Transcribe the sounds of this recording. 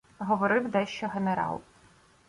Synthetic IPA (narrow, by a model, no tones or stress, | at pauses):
ɦɔʋɔɾɪwd̪ɛʃt͡ʃɔɦeneɾɑ̰lˠ